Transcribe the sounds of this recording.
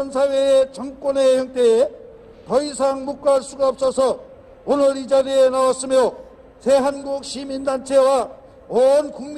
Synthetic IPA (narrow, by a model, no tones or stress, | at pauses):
nsʰaweet͡ɕʌŋk͈wʌnejʌŋt͈ee | tʌisʰaŋmok̚k͈aɭs͈uɡaʌp̚s͈ʌsʰʌ | onɯɾid͡ʑaɾienawas͈ɯmjo | sʰe̞ɦanɡuk̚ɕimindant͡ɕʰe̞wa | onkuŋm